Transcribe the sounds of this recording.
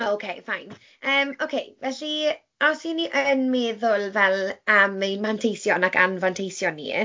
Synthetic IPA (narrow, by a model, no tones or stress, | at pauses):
ookʰejfajn | əːmokʰejvɛɬi | ɔsiniʔənmeːðʊlˠvɛlˠəamejmantʰejsjɔnaka̰nvantʰejsjɔnːḭ